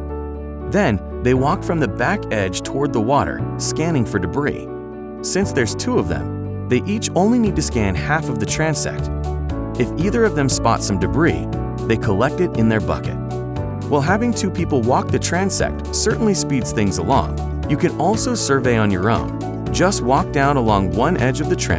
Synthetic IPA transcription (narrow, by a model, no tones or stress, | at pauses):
ðɨ̃n | ðeɪwɔk̚tfɹʌ̃mðɨbækɛd̥ʒ̥tʰəwɔɹd̪̚ðəwɔɾə̰˞skæ̃ñɪ̃ŋfə˞dɨbɹḭ | sɪ̃nsðə˞z̥tʰuʌvðə̰̃m | ðeɪʔit͡ʃõʊ̃nlinid̚tɨskæ̃nhæfʌvðɨtʰɹ̥æ̃nsɛ̰k̚t | ɨfiðə˞ʌvðɨ̃mspɑ̰tsʌ̃mdɨbɹḭ | ðeɪkʰəlɛk̚tɨɾɨ̃nðə˞bʌ̰kɨ̰t̚ | wʔaɪlˠɦævɪ̃ŋtʰʉpʰipl̩ˠwɔk̚ðɨtʰɹ̥æ̃nsɛ̰k̚tsɜ˞ʔn̩lispidz̥θɪ̃ŋzəlɔ̰̃ŋ | jɨkʰɨ̃nɔlˠsoʊsə˞veɪə̃njə˞õ̰ʊ̃n | d͡ʒʌst̚wɔk̚d̥ãʊ̃nəlɔ̃ŋwʌ̃nʔɛd͡ʒʌvðɨtʰɹ̥æ̰̃